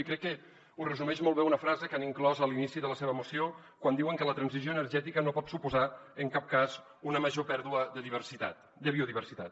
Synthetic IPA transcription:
ikɾɛkːə | urəzumɛʃmolˠβeunəfɾazəkaniŋklɔzəlinisiðələseβ̞əmusio | kwand̪iwəŋkələt̪ɾənzizjoənərʒɛt̪ikənopɔt̪supuzaəŋkap̚kaz | unəməʒopɛɾðuəðəðiβərsit̪a̰t̪ | d̪əβioðiβərsit̪at̪

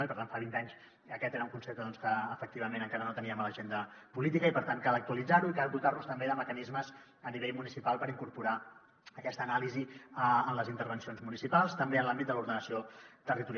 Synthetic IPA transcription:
ipəɾt̪aɱfaβint̪aɲs | əkɛt̪eɾəuŋkunsept̪əðɔnskəəfək̚t̪iβ̞əmenəŋkaɾənot̪əniəmaləʒend̪ə | pulit̪ikəipəɾt̪aŋkalˠək̚t̪uəlid͡zaɾuikald̪ut̪arnust̪əmbeðəməkənizməz | əniβeʎmunisipalˠpəɾiŋkuɾpuɾa | əkɛst̪ənaliziəənləzint̪əɾβənsionzmunisipalˠst̪əmbeənlambit̪̚d̪əluɾðənəsiot̪ərit̪uɾ

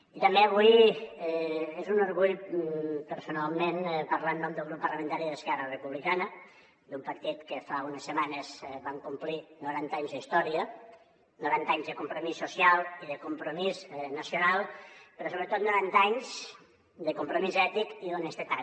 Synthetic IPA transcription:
it̪əmbeəβuj | ezunoɾɣuʎ | pəɾsunalˠmenpəɾlanːɔmd̪əlˠɣɾupːəɾrləmə̃nt̪aɾiðəskɛrərəpuβlikanə | d̪umpəɾt̪it̪kəfaunəsːəmanəzβaŋkumplinuɾant̪aɲzðist̪ɔɾiə | nuɾant̪aɲzðəkumpɾomisːusialˠiðəkumpɾomisnəsjonalˠpəɾɔs̬oβɾət̪ot̪̚nuɾant̪aɲz | d̪əkumpɾomizɛt̪ikiðonɛst̪ət̪a

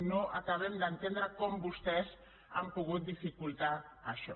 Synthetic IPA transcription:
noʔakaβ̞emd̪ent̪end̪ɾakombust̪es | ampuɣut̪̚d̪ifikult̪aːʃo̰

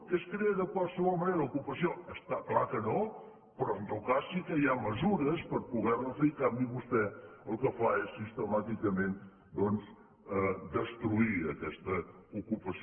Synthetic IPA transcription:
kɛskɾeəðəkwalˠsəβɔlˠməneɾəukupəsioəst̪aklakəno | pɾɔənt̪ɔwkasːikəjaməzuɾəspəɾpuɣɛrləzəjkambiβust̪ɛəlˠkəfaesːist̪əmat̪ikəmen | d̪ɔnz | əd̪əst̪ɾuiəkɛst̪əukupəs

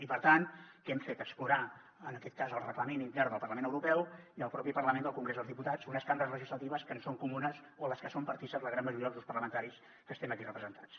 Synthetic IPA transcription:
ipəɾt̪ankɛmfet̪əkspluɾa | ənəkɛt̪̚kazəlˠrəkləmenint̪ɛɾðəlˠpərləmenəwɾupɛwiəlˠpɾɔpipərləmend̪əlˠkuŋɡɾezðəlˠzðiput̪ad͡zunəskambəɾəzləʒizlət̪iβəskənsoŋkumunəs | oləskəsompəɾt̪isələɣɾanmːəʒuɾiəðəuspərləmənt̪aɾis | kəst̪ɛməkirəpɾəzənt̪at͡s

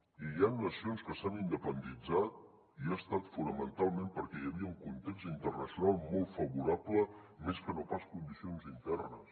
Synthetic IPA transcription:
ijanːəsionskəsanind̪əpənd̪id͡zat̪̚ | iast̪at̪funəmənt̪alˠmempəɾkɛjəβiəuŋkunt̪ekst̪int̪ərnəsjunalˠmolˠt̪fəβuɾaplə | meskənopaskund̪isionzint̪ɛrnə̰s

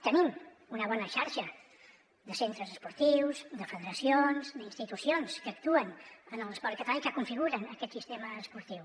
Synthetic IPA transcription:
t̪ənim | unəβ̞ɔnəʃaɾʃə | ðəsent̪ɾəzəspuɾt̪iwzd̪əfəðəɾəsionzd̪inst̪it̪usionskək̚t̪uənənələspɔɾt̪kət̪əlajkəkuɱfiɣuɾənəkɛt̪sist̪eməːspuɾt̪iw

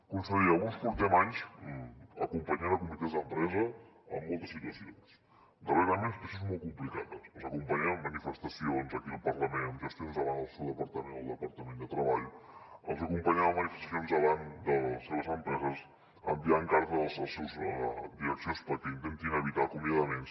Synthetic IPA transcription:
kunsəɣiəunspuɾt̪ɛmaɲz | əkumpəɲanəkumplik̪azəmpɾɛzə | ə̰mːolˠt̪əsːit̪uəsions | d̪əreɾalmenspɾəsonzmolˠt̪̚kumplika̰ðəsəlzəkumpəɲaβəmːənifəst̪əsionzəkiəlˠpərləmenəmʒəst̪ionzðəβand̪əlˠsewðəpəɾt̪əmenəlˠd̪əpəɾt̪əmẽnd̪ət̪ɾəβaʎəlˠzəkumpəɲaβəmənifəst̪əs̬ionzðəβand̪əlseβəzəmpɾɛzəs | ə̰mbiaŋkaɾt̪əðəlˠzəlˠsewzəd̪iɾəksionspəɾkɛint̪ent̪inəβit̪akumbiaðəmens

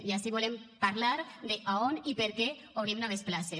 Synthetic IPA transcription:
iasiβolempaɾlaɾd̪eʔaonipeɾke | oβɾimnaβesplase

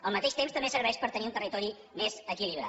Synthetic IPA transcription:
əlˠmət̪eʃt̪emst̪əmbesəɾβɛʃpəɾt̪əniunt̪ərit̪ɔɾi | mezəkiliβɾa̰

